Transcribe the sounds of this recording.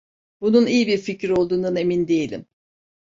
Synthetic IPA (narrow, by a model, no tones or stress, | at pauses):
bununijibiɾficiɾo̞lˠd̪uːnd̪ane̞mind̪e̞jelʲḭm